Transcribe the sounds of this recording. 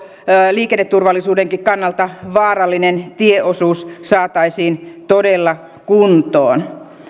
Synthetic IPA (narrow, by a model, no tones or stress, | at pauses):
liːkenːet̪ːurʋɑlːisuːdeŋkikkɑnːɑlt̪ɑʋɑːrɑlːinent̪ieosuːssɑːt̪ɑisiːnt̪odelːɑ | kunt̪o̰ːn